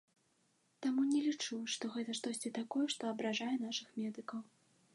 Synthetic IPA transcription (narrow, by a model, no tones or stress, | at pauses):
t̪amunʲɛlʲit͡ʂuʂt̪ɔɣɛt̪ɐʂt̪ɔsʲt͡sʲit̪akɔjɛʂt̪ɔɐbɾaʐajɛnaʂɨxmʲɛd̪ɨkɐw